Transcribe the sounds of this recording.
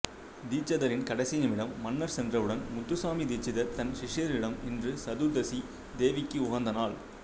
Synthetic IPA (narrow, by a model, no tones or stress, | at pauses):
d̪iːt͡ʃːɐðɐɾɪnkɐɽɐɪsɪjɐmɪɽɐmːɐnːɐɾsɛndrɐʋɯɽɐnmʊt̪ːɯsaːmid̪iːt͡ʃːɪðɐt̪ɐnʃɪʂjɐɾɪɽɐmɪndrɯsɐðuːðɐsi | d̪eːʋɪkːɯʊɣɐnd̪ɐnaːl